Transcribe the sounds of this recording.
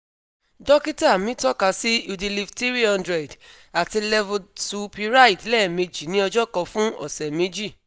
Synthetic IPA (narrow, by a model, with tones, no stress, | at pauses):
dɔ˦ki˦ta˦˨mĩ˦tɔ˦ka˧˦si˦u˧di˧li˧fti˦ɾi˦ɔ̃˧ndɾɛ˨d | a˨ti˧lɛ˦vo˨su˧pi˧ɾa˦i˨dlɛ˦˨me˧d͡ʒi˨nĩ˦ɔ˧d͡ʒɔ˦kɔ̃˧fũ˦ɔ̰˨sɛ˨me˧˦d͡ʒi˦˨